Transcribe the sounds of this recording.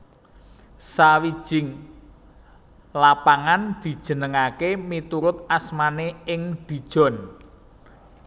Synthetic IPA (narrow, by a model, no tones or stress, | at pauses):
sawid̥ʒ̥ɪŋ | lapaŋand̪̥i̤d̥ʒ̥ə̤nəŋakemit̪uɾʊt̪̚asmaneɪŋd̪̥i̤d̥ʒ̥ɔ̤n